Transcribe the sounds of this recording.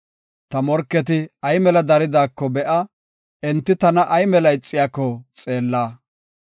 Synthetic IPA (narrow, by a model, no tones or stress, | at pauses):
t̪ɐmɔɾkːɛt̪ɪɐjmɛlɐd̪ɐɾɪd̪aːkːɔbɛʔɐ | ɛnt̪ːɪt̪ɐnɐʔɐjmɛlɐɪt͡sʼːɪjaːkːɔt͡sʼe̞ːlːaː